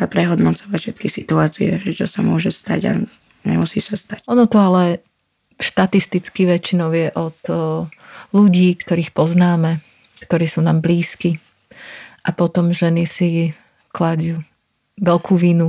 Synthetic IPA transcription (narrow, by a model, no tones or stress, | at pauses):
apɾɛɦɔd̪nɔt͡sɔʋacfʃɛt̪kisit̪uaːt͡siɛʒɛt͡ʃɔsamʊɔʒɛst̪a̰ɟa̰ | ɲɛ̰musḭːsast̪acɔnɔt̪ɔalɛ | ʃt̪at̪ist̪it͡skiʋɛt͡ʃinɔʊjɛʔɔt̪ | luɟiːkt̪ɔɾiːxpɔznaːmɛ | kt̪ɔɾiːsuːnaːmbliːski | ʔapɔt̪ɔmʒɛnisi | klaɟjuː | ʋɛlkʰuːʋinu